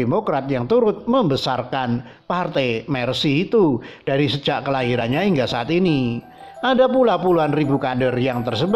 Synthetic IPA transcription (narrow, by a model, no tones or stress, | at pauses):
emokɾat̪̚jaŋt̪uɾʊt̪̚məmbəsarkan | part̪ɛjmɛrsiːt̪ud̥aɾisəd͡ʒaʔkəlaɦiɾanɲahiŋɡasaat̪ini | ʔadapulapuluɦanribukadərjaŋt̪ərsəb